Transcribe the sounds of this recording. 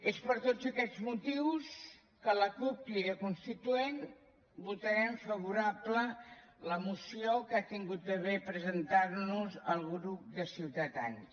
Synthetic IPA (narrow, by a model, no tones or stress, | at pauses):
espəɾt̪od͡zəkɛd͡zmut̪iws | kələkup̚liəkunst̪it̪uen | but̪əɾɛɱfəβ̞uɾaplələmusiokat̪iŋɡut̪̚bəβepɾəzənt̪aɾnuzəlˠɣɾup̚d̪əsiwt̪əða̰ns